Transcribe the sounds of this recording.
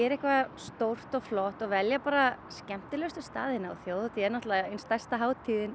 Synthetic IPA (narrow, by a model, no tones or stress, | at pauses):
ɛɾɛhkvast̪owr̥t̪ɔɣflɔht̪ɔɣvɛljapaːɾascɛm̥t̪ɪlœst̪ʏst̪a̰ːðɪna̰ːwθjoːwðɔt̪ʰiɛɾnɔht̪laðaenst̪ajr̥st̪aɦaːwt̪ʰiːðɪn